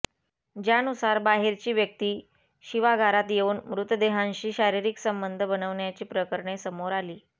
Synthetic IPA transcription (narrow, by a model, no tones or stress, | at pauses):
d͡ʑjanusaɾbaɦeɾt͡ɕiːʋjək̚t̪iː | ɕiʋaɡʱaɾat̪jeuːnmɾut̪d̪eɦãnɕiːɕaɾiɾiksəmbənd̪ʱəbənəʋɳjat͡ɕiːpɾəkəɾɳesəmoɾaliː